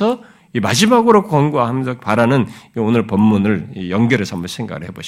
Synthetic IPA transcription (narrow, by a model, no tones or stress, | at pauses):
ʌ | imad͡ʑimaɡɯɾokkwʌŋɡuwaɦamnsʰʌpaɾanɯnionɯɭpʌmːunɯɭijʌŋɡʌɾesʰʌmbʌnsʰeŋɡa̰ɡɯɭheboɕ